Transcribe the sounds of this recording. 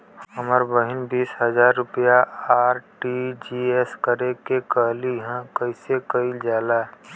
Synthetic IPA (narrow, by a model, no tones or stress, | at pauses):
ɦəməɾbəɦɪnbiːsɦəzaːɾːʊpijaaːɾʈid͡ʒieskəɾekekəɦliɦə̃kəɪsekəild͡ʒjaːla